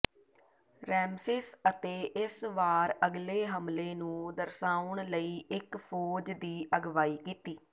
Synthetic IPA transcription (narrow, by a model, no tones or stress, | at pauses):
ɾɛːmsɪsət̪eːʔɪsʋaːɾəɡleːɦəmleːnũːd̪əɾsaːʊɳləiːɪkpʰoːd͡ʒd̪iːʔəɡʋaːiːkiːt̪iː